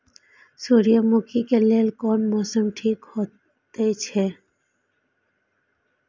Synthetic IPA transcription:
suːɾijamoːkikeleːlkɔːnmɔːsəmʈʰiːkhoː | t̪et͡ʃʰeː

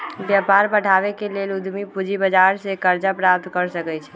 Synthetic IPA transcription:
bjəpaɾbəɽ̤ʱaʋekelelud̪ʱmipud͡ʒibəd͡ʒaɾsekəɾd͡ʒapɾap̚t̪kəɾsəkɛt͡ʃʰɛ

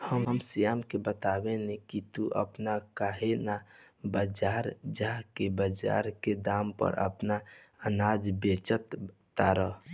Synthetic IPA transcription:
həmɦəmsijaːmkebət̪aːbenekit̪uʔə̰pnakaɦena | bəd͡ʒaːɾd͡ʒakebəd͡ʒa̰ːɾked̪aːmpə̰ɾʔə̰pna | ənaːd͡ʒbet͡ʃət̪ː | aɾə

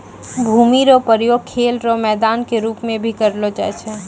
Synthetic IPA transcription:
bʱuːmiɾopəɾjoːɡ̚kʰːeːlɾomɛːd̪aːnkeɾuːpmẽbʱikəɾlot͡ʃa̰ɛt͡ʃʰɛ

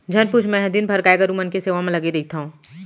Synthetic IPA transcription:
d͡ʒʱɐnput͡ʃʰmɛ̃ɦəd̪inbʱɐɾkaːjkəɾũmənkeseːʋamẽlɐɡed̪eːk̚ʰt̪aɦũː

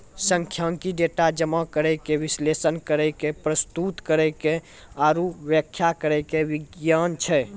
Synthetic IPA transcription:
səŋkʰjaŋkiɖeʈad͡ʒəmakəɾəjkeʋislesənkəɾəjkepɾəst̪ut̪kəɾəjke | aɾuʋjəkʰːjakəɾɛjkeʋiɡjant͡ʃʰɛ

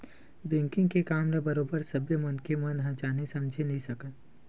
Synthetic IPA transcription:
bẽːŋkɪ̃ŋɡkekaːmɾabɐɾoːbəɾsɐbjemɐnkemɐnɦãːt͡ʃaːnesɐ̃md͡ʒʱenɐɦĩsɐkə

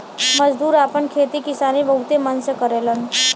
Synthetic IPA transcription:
məd͡ʒd̪uːɾaːpənkʰeːt̪ikɪsaːnibəɦut̪emənsekəɾeːlən

